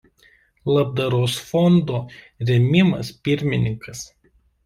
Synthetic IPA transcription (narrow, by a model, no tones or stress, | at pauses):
lˠɐb̚d̪ɐɾoːsfɔnd̪oː | ɾʲɛmʲɪmɐspʲɪɾʲmʲɪnʲɪŋkɐs